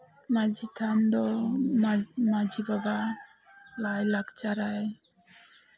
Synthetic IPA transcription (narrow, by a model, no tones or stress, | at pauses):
mad͡ʒʱiʈʰand̪ɔ | mad͡ʒibaba | lajlaɡt͡ʃaɾaj